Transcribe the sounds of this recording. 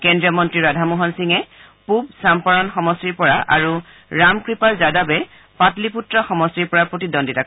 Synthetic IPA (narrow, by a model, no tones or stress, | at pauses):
kɛndɹiɔmɔntɹiɹadʱamuɦɔnsiŋɛ | pub̚sampɔɹɔnxɔmɔstiɹpɔɹaʔaɹu | ɹamkɹipaɹzadabɛ | patliputɹɔxɔmɔstiɹpɔɹapɹotidɔnditak